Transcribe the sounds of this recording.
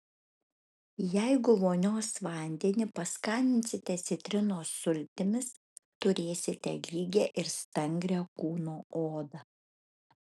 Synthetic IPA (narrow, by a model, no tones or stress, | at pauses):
jɛɪɡʊʋoːnʲoːsʋɐˑnʲd̪ʲenʲɪpɐskɐnʲd̪ʲɪnʲt̪sʲɪt̪ʲɛt̪sʲɪt̪ʲɾʲɪnoːsʊlʲt̪ʲɪmʲɪs | t̪ʊɾʲeːsʲɪt̪ʲɛlʲiːɡʲɛːʔɪɾst̪ɐŋʲɡɾʲɛːkuːnoːoːd̪ɐ